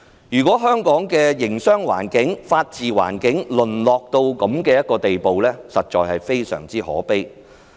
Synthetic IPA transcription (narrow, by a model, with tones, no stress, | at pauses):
jyː˨˩kʷwɔː˨˥ɦœː˥ŋkɔː˨˥ŋkɛː˧jɪ˨˩ŋsœː˥ŋwa̰ː˨˩nkɪ˨˥ŋfaː˧t̚t͡siː˨wa̰ː˨˩nkɪ˨˥ŋlɵ˨˩nlɔː˨k̚t̪o˧wkɐ˨˥mkɛː˧jɐ˥t̚kɔː˧t̪e˨jpo˨wlɛː˥sɐ˨t̚t͡ʃɔː˨jhɐ˨jfe˥jsœ̰ː˨˩ŋt͡siː˥hɔ̰ː˨˥pe˥j